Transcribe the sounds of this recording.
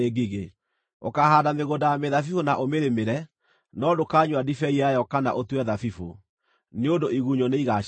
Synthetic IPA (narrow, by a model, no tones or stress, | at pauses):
eɡiɣe | okahaːdameɣodajameðafifonaʔomeɾemeɾɛ | nɔdokaːɲwadifɛiajɔkana̰ʔotwɛðafifo | neodoiɣuɲɔneiɣa